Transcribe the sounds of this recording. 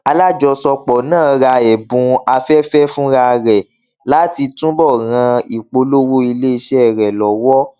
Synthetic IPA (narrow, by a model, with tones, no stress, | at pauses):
a˧la˦d͡ʒɔ˧sɔ˧k͡pɔ˨nãː˦˨˧ɾa˧ɛ˨bũ˨˧a˧fɛ˦fɛ˦fũ˦ɾa˧ɾɛ˨ | la˦ti˧tũ˦bɔ˦˨ɾã˧i˨k͡po˧lo˦ɾu˦i˧le˦i˧ʃɛ˦˨ɾɛ˨lɔ˨wɔ˦